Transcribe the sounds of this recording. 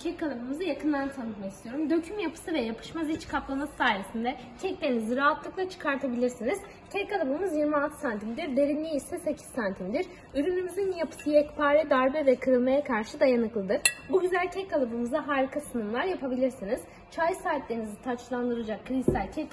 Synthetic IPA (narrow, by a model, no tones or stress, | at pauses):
cʰɛcːalˠabɯmɯzɯjakʰɯnd̪ant̪ʰanɯt̪maist̪ʰijo̞ɾumd̪ø̞cʰymjapʰɯ̥sɯvɛjapʰɯ̥ʃmazit͡ʃkʰaplˠamasɯ̥saːɾesind̪ɛ | cʰɛclʲeiniziɾaːat̪lˠɯklˠat͡ʃʰɯ̥kʰaɾt̪ʰabilʲiɾsiniz̥ | cʰɛcalˠabɯmɯzjiɾmialˠt̪ʰɯ̥sant̪ʰimd̪iɾb̪e̞ɾinlːʲiisɛse̞cʰi̥ssant̪ʰimd̪iɾ | yɾynymyzinjapʰɯ̥sɯjɛcpʰaːɾɛd̪aɾbɛvɛkʰɯɾɯlˠmajakʰaɾʃɯd̪ajanɯklˠɯd̪ɯɾbuɟyzælʲcʰɛcːalˠabɯmɯzaɦaːɾikʰasɯnɯmlˠaɾjapʰabilʲiɾsiniz | t͡ʃʰajɯsaːt̪lʲe̞ɾinizit̪ʰat͡ʃlˠand̪ɯɾad͡ʒakʰːɯɾit̪ælʲcʰɛk